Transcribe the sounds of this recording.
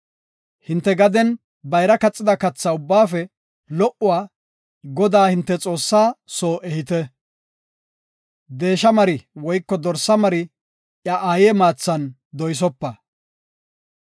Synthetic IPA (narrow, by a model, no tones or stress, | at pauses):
hɪnt̪ːɛɡɐd̪ɛn | bɐjɾɐkɐt͡sʼːɪd̪ɐkɐt͡sːɐʊbːaːfɛ | lɔʔʊwaː | ɡɔd̪aːhɪnt̪ːɛt͡sʼo̞ːsːaːsoːʔɛhɪt̪ɛ | d̪e̞ːʃɐmɐɾɪwɔjkːɔd̪ɔɾsːɐmɐɾɪ | ʔjɐʔaːjeːmaːt͡sːɐn | d̪ɔjs̬ɔpːɐ